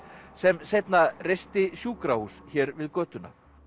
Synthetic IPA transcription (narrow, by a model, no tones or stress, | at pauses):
sɛmsejt̪narejst̪ɪsjuːkɾahusçɛːɾvɪðkœːt̪ʏnːa̰